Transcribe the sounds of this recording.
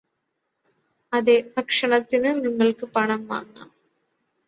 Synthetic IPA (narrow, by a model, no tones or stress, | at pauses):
ɐðebʱɐkʂɐɳɐt̪ːinɨniŋːɐɭkɨpɐɳɐmʋa̰ːŋːa̰m